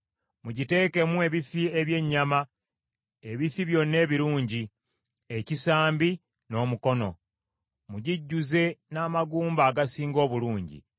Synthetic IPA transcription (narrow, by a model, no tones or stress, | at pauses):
muɟite̞ːke̞mue̞βifie̞βje̞ɲːama | e̞βifiβjo̞nːe̞ːβiɾuːɲɟi | e̞cisaːmbi | no̞ːmuko̞no̞ | muɟiɟːuze̞naːmaɡuːmbaːɡasiːŋɡo̞ːβuluːɲɟḭ